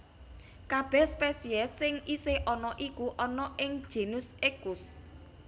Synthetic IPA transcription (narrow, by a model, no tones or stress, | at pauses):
kab̥ɛ̤hspesiɛsɪŋiseʔɔnɔʔikuʔɔnɔʔɪŋ̥ʒ̥e̤nʊsekʊs